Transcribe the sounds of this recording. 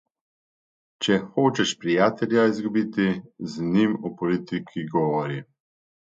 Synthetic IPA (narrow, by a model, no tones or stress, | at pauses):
t͡ʃɛxoːt͡ʃɛʃpɾijaːt̪ɛlʲjaizɡubit̪iznimɔpɔlit̪ikʰiɡɔʋɔɾi